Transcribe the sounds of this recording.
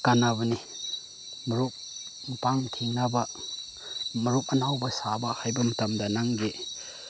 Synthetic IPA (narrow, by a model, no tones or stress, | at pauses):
kanabɐni | mɐɾuk̚ | mpaŋtʰiŋnabɐ | mɐɾup̚ɐnawbɐsabɐhajbɐmɐtɐmdɐnaŋɡe